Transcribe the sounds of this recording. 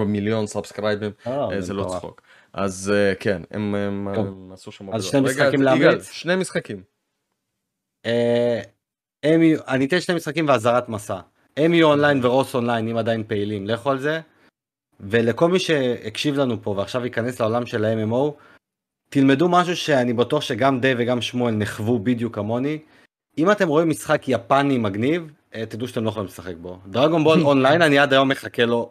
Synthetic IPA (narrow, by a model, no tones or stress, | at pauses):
miljo̞nsabskɾajbimozelot͡sχo̰k | ʔa̰zkʰenḛmemasuʃamaazʃnejmiksaimleameʃnejmisχakim | e | emiuʔanit̪enʃnemisχakimveazaʁat̪masa | emiuonlajinveʁo̞so̞nlajnimad̪ajinpe̞ilimleχoalze̞ | ve̞le̞ko̞lmiʃe̞akʃivlanupo̞veaχʃavikane̞sleo̞lamʃe̞laememo̞w | t̪ilme̞dumaʃ̬uʃe̞anibatuaχʃe̞ɡamd̪eve̞ɡamʃmoelneχvubid̪jukamo̞ni | imat̪e̞mʁo̞imːisχakjapanimaɡniv | t̪id̪uʃateloeolimlesaχek̚bo̞d̪ʁaɡonbolonlajinaniad̪ajo̞mːe̞χake̞lo̞